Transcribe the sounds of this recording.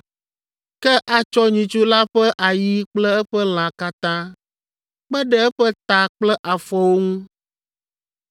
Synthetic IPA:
kɛ˦ʔa˨t͡ʃɔ˦ɲĩ˨t͡ʃu˦la˦ɸɛ˦ʔa˨ji˦k͡plɛ˦ɛ˦ɸɛ˦l̃ã˨ka˦t̪ã˦ | k͡pɛ˦ɖɛ˦ɛ˦ɸɛ˦t̪a˨k͡plɛ˦ʔa˨fɔ˦wo˦ŋũ˦

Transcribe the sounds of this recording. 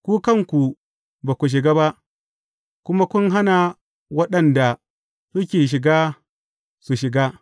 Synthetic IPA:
kʷuː˦kɐ˦˨ŋkʷu˨ | ba˨kʷu˨ʃ̬ɪ˨ɡaː˦ba˦ʔ | kʷʊ˦ma˦kʷʊ˦nɦa˦na˨ | wɐ˦ɗɐ˨nda˨ | ɾʊ˦kʲeː˨ʃ̬ɪ˨ɡaː˦ | su˨ʃɪ˨ɡaː˦

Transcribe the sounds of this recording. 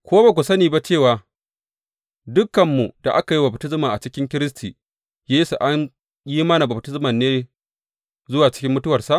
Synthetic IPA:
kʷoː˦ba˨kʷu˨sɐ˦niː˨ba˦t͡ʃeː˦˨waː˨ | dʊ˦kːɐ˨mːu˨da˨ʔa˦ka˨ji˦bɐ˨btɪ˦smaː˨ʔa˨t͡ʃɪ˦kʲɪ˦ŋkʲɪ˦ɾɪ˦s̬tiː˨ | jeː˦su˨ʔa˦ɲ | ji˦mɐ˦na˨bɐ˨btɪ˦smɐ˨nːeː˦ | zʊ˦waː˨t͡ʃɪ̥˦kʲɪ˦mːʊ˦tʊ˦wɐ˨rsa˦ʔ

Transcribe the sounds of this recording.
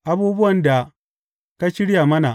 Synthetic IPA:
ʔa˨buː˦bʊ˦wɐ˨nda˨ | ka˦ʃɪ˦ɽja˨mɐ˦na˨

